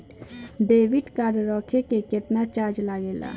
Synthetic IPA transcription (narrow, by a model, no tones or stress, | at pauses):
beːʋɪʈkaːɾɾɔːkʰekekɪt̪nat͡ʃaːd͡ʒlaːɡeːla̰ː